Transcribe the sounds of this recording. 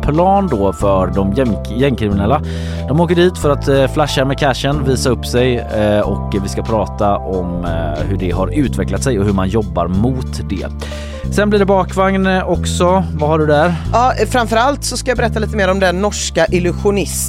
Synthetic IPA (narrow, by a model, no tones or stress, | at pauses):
pʰlɑːnd̪ɔːfœd̪ɔmjɛm | jɛmːkʰɾɪmɪnɛlːa | d̪ɔmoːkəɖiːt̪fœɾat̪flaʃːamɛkʰæʂənviːsaɵpːsɛjɔkvɪskapʰɾɑːt̪aʔɔmhɵɖɛɦaɾʉ̟ːt̪vɛklat̪sɛjɔɦɵɾmanjɔbːa̰ɾmuːt̪d̪ɛ̰ | sɛnblɪːɖɛbɑːkvaŋnɔksɔvahaɖɵd̪æɾɑːfɾamfœɾalt̪sɔskajabɛɾɛt̪ːaliːt̪əmeːɾɔmd̪ɛnːɔʂkaʔɪlʉɧʊnɪs